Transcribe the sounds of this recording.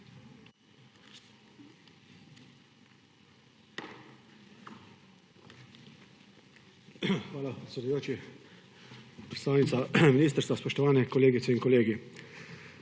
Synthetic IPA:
xʋaːlapɾɛt̪sʲɛd̪ujoːt͡ʃi | pɾɛt̪t̪aːwnit̪saminiːst̪əɾst̪ʋaspɔʃt̪ɔʋaːnɛkɔleːɡit̪sɛinkɔleːɡi

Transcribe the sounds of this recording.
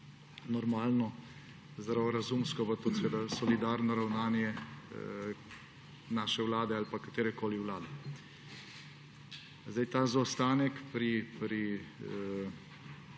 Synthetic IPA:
nɔɾmaːlnɔ | zd̪ɾawɔɾazumskɔpat̪oːseʋeːd̪asɔlid̪aːɾnɔɾawnaːnjɛ | naːʃɛwlaːd̪ɛalpakat̪eːɾɛkoːliwlaːd̪ɛ | zd̪ajt̪aːzast̪aːnɛkpɾipɾi

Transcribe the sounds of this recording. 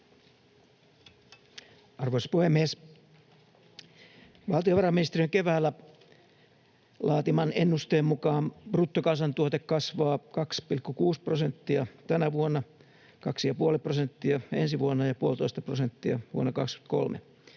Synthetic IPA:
ɑrʋoiso̥puhemːies | ʋɑlt̪ioʋɑrɑmːinist̪erijøŋkeʋæːlːæ | lɑːt̪imɑnenːust̪eːmmukɑːmb̥rut̪ːokɑnsɑnt̪uot̪ekkɑsʋɑːkɑkspilkːukuːsprosent̪ːiɑt̪ænæʋuonːɑ | kɑksijɑpuoleprosent̪ːiɑensiʋuonːɑjɑpuolt̪oist̪ɑprosent̪ːiɑ̰ʋṵo̰nːɑkɑkst̪y̥t̪ko̰lmḛ

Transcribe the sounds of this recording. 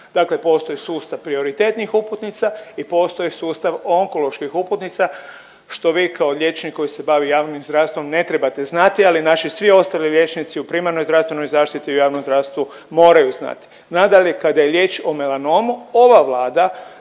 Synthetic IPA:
d̪̥aːkle̞po̞ːst̪ojisuːst̪aʋpɾio̞ɾit̪e̞t̪nixuput̪nit̪saipo̞ːst̪o̞jisuːst̪aʋo̞ŋko̞lˠo̞ʃkixuput̪nit̪sa | ʃt̪o̞ʋiːkʰaoʎʲe̞t͡ʃniko̞jise̞baʋijaːʋnimzd̪ɾaʋst̪ʋo̞mne̞t̪ɾe̞bat̪e̞znat̪ialinaʃisʋio̞st̪aliʎje̞t͡ʃnit̪siupɾimaɾnojzd̪ɾafst̪ʋeno̞jzaːʃt̪it̪iujaːʋnomzd̪ɾaʋst̪ʋu | moːɾajuzna̰t̪i̥ | nad̪aʎʲekad̪aje̞ʎʲje̞ːt͡ʃomelano̞muoʋaʋlaːd̪a

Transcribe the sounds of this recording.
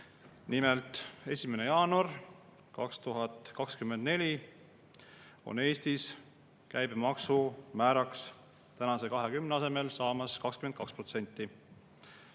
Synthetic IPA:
nimelt̪ˑe̞sʲimene̞jɑːnuɑr | kɑkst̪uɦɑt̪ˑkɑkskymːend̪ne̞lʲi | o̞̰ne̞ːst̪is | kæjbmɑksumæːɾɑks | t̪ænɑse̞kɑɦe̞kymneɑse̞me̞lsɑːmɑskɑkskymenkɑkspro̞t̪se̞nʲt̪ːˑi

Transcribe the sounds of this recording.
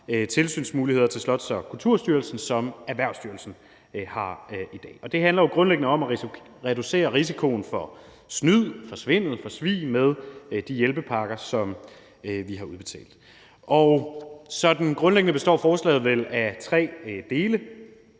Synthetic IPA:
t͡sʰe̝lsy̰ːnsmuːlihe̝ð̞̰ˠɐt͡sʰe̝lslɒ̽d̥sɒ̽kʰult͡sʰuɐ̰sd̥yɐlsn̩sɒ̽mæʋæɐʊsd̥yɐlsn̩ | hɑ̈ʔid̥ɛ̰ːɒ̽d̥e̝ɦænlɐjo̝ɡ̥ʁɔ̽nleɡ̥ənəɒ̽mæʁ | ʁɛduse̝̰ːɐʁis̬ikʰo̝nfɒ̽ | snyð̰ˠfɒ̽sʋe̝n̰ð̞̩ˠfɒ̽sʋḭːmeð̞ˠd̥ijelb̥əpʰɑ̈ɡ̥ɐsɒ̽m | ʋiɦɑ̈uð̞ˠb̥e̝t͡sʰɛ̰ːld̥ | ʔɒʊsɒ̽d̥n̩ɡ̥ʁɔ̽nleɡ̥ənəb̥e̝sd̥ɒ̰ːfɒːslɛ̰ːð̩ˠʋelæt͡sʰʁɛ̰ːd̥e̝ːlə

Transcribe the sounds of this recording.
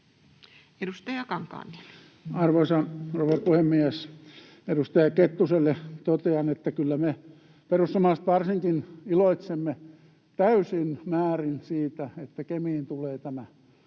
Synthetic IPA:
edust̪ɑjɑkɑŋkɑ̰ːnːe̥n | ɑrʋoisɑnroʋerpuhemːiæs | edust̪ɑjɑket̪ːuselːet̪ot̪eɑnet̪ːækylːæme | perusːɑmɑːst̪ʋɑrsiŋkiniloit̪semːe | t̪æysinmæːrinsiːt̪æet̪ːækemiːnt̪uleːt̪æmæ

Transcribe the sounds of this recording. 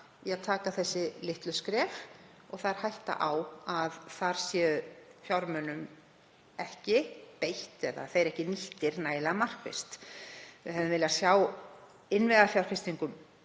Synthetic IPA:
iaðt̪ʰaːkaθɛsːɪlɪht̪lʏskɾɛːf | ɔɣθaðɛɾ̥hajht̪a̰ʔawaðθaɾ̥sjɛʏfjawɾmœnʏm | ɛhcɪpejht̪ɛða̰θejɾɛhcɪniht̪ɪɾnaːjlaamar̥kvɪ̰st̪vɪ̰ɦɛvʏɪmvɪlasjaːw | ɪnvɛðafjawɾ̥fɪst̪iŋkʏm

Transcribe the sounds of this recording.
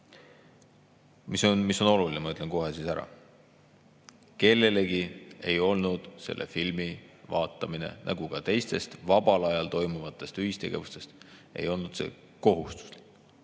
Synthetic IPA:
misonmiso̞no̞lulinemɑy̟t̪le̞nko̞ɦe̞sisæɾɑ̰ | ke̞lːe̞le̞ɡie̞jo̞lnud̪̥se̞̰lʔḛfilmivɑːt̪ːˑɑmine̞̰nʔæ̰ɡ̥ukɑt̪e̞jst̪e̞st̪vɑb̥ɑlɑjɑlt̪o̞jmuvɑt̪ˑːe̞st̪yhist̪e̞ɡ̥e̞̰vust̪e̞st̪e̞̰jo̞lnud̪̥se̞̰ | ko̞ɦust̪u̥s

